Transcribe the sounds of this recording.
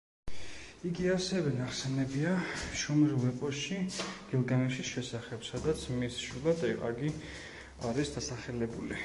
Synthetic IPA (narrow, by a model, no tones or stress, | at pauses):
iɡiasɛvɛnaχsɛnɛbiaʃɔmɾlˠvɛpʼɔsʃiɡ̥ɛlˠɡanɛʃisʃɛsaχɛbsad̪at̪sʰmisʃulˠat̪ʼɛʁʼa̰ɡi | aɾisd̪asaχɛlɛbuli